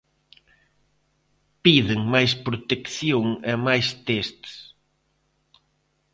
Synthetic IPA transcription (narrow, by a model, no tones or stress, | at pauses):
piðɪŋmajspɾot̪ekθjoŋemajst̪est̪s